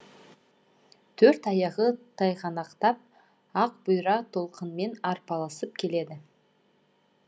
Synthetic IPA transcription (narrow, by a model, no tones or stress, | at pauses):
t̪ʰɵɾt̪ɑjɑʁət̪ʰɑjʁɑnɑqt̪ɑp̚ | ɑq̚b̥ʊjɾɑt̪ʰo̞lˠqʰənme̞nɑɾpɑlˠɑsəp̚kʲʰe̞le̞d̪ɪ